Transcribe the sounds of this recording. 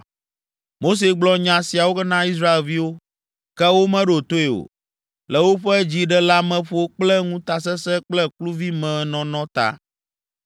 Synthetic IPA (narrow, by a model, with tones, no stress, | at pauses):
mo˦s̬e˨ɡ͡blɔ˦ɲã˨si˨a˨wo˦kɛ˦nã˦i˦s̬ɾa˦e˨lvi˦wo˦ | kɛ˦wo˦mɛ̃˦ɖo˨t̪o˦e˨o̰˨ | lɛ˨wo˦ɸɛ˦d͡ʑi˦ɖɛ˦la˦mɛ̃˦ɸo˦k͡plɛ˦ŋũ˦t̪a˨s̬ɛ˦sɛ˦k͡plɛ˦klu˦vi˦mɛ̃˨˦nɔ̃˨nɔ̃˦t̪a̰˦˨